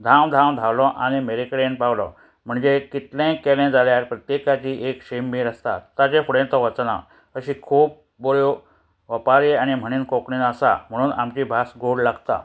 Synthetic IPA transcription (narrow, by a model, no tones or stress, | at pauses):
d̪ʱãwd̪ʱãwd̪ʱawlɔʔañimeɾekɽẽnpawlɔ̰ | m̤əɳd͡zekit̪lẽkelẽd͡zaljaɾpɾət̪jekat͡ɕiʔekɕemːiːɾəst̪a̰t̪ad͡ʑefuɽẽnt̪ɔʋət͡sna̰ | əɕikʰuːp̚ | boljo | ʋəpaɾeañim̤əɽ̃iːnkɔkɳinəsa̰m̤əɽ̃uːna̰mt͡ɕiːbʱasɡoɽlaɡt̪a̰